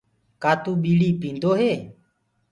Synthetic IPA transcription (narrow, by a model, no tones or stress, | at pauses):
kaːt̪uːɓiːɽiːpĩːnd̪oːɦeː